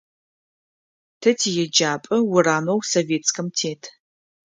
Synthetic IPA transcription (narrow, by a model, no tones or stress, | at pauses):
tʰɐtʰijɛd͡ʒaːpʼɨwʊɾaːmɐwsoveːt͡skʰɐmtʰeːtʰ